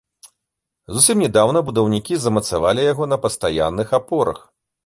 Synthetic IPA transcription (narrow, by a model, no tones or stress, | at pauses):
zusʲimnʲɛd̪awnɐbud̪ɐwnʲikʲizɐmɐt̪savalʲijaɣɔnɐpɐst̪aja̰nːɨxapɔɾɐ̰x